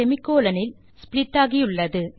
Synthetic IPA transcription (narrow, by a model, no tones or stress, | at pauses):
ɛmɪkːoːlɐnɪl | spɪlɪʈːaːɣiʊɭːɐðɯ